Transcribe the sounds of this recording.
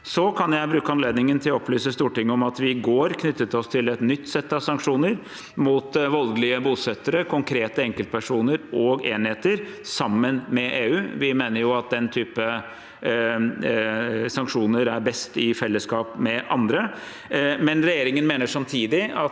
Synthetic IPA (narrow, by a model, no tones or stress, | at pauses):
sɔkʰɑnjæɪbɾʉːkəɑnleːd̪nɪŋənt̪ʰɪlɔɔplyːsəst̪uːʈɪŋːəɔmɑt̪ʋɪɡoːɾkʰnʏt̪ːət̪ɔst̪ʰɪlɛt̪nʏt̪ːsɛt̪ːɑʋsɑŋkʂuːnəɾ | muːt̪ʋɑlɡəlɪəbuːsɛt̪ːəɾəkʰʊŋkʰɾeːt̪əɛŋkəlt̪̚pʰæʂuːnəɾʔɔɡeːnheːt̪əɾsɑmːənmɛʔeːʉːʋɪmeːnəɾjʊɑt̪̚d̪ɛnt̪ʰyːpə | sɑŋkʂuːnəɾæɾbɛst̪ɪfɛlːəskɑːpmɛʔɑnd̪ɾə | mɛnɾɛjeːɾɪŋənmeːnəʂɑmt̪ʰiːd̪ɪɑ